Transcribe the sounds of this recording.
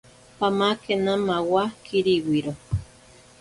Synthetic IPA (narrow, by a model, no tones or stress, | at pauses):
pamakenamawakʰiɾiwiɾo